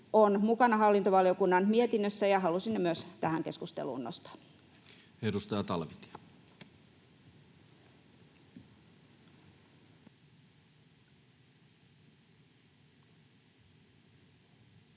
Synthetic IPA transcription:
onmukɑnɑhɑlːint̪oʋɑliokunːɑnmiet̪inːøsːæjɑhɑlusinːemyøst̪æhæŋkeskust̪ḛlṵːnnost̪ɑ̥ | edust̪ɑːt̪ɑlʋit̪

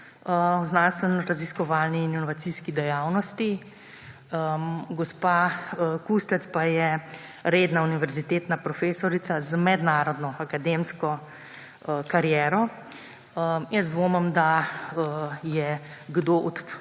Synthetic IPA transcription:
əznanst̪ʋɛnɔɾaziskɔʋaːlniːninɔʋat̪siːskid̪ɛjawnɔst̪i | əɡɔspakust̪ɛt̪spajɛɾeːd̪nauniʋɛɾzit̪eːt̪napɾɔfeːsɔɾit̪sazmɛd̪naːɾɔd̪nɔakad̪emskɔ | kaɾjɛːɾɔ | əjəsd̪ʋoːmɐmd̪aəjɛɡd̪oːʔɔt̪

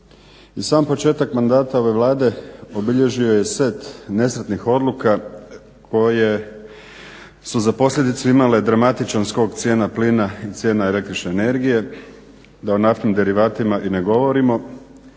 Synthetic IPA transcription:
isaːmpo̞t͡ʃe̞ːt̪akmand̪aːt̪ao̞ʋe̞ʋlˠaːd̪e̞o̞biʎe̞ʒio̞je̞seːt̪ne̞sɾet̪nixo̞d̪lˠuka | kʰo̞je̞ | suzapo̞slʎʲed̪it̪suimale̞d̪ɾamat̪it͡ʃansko̞ːɡt̪sje̞ːnapliːnait̪sje̞ːnaele̞kt̪ɾit͡ʃne̞ːne̞ɾɡije̞ | d̪aonaft̪nimd̪e̞ɾiʋaːt̪imaʔine̞ɡo̞ʋo̞ɾimo̞

